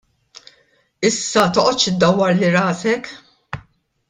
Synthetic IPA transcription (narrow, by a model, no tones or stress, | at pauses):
ɪsːɐt̪ɔʔɔt̪ːʃɪd̪ːɐwːɐɾlːiɾɐːsɛk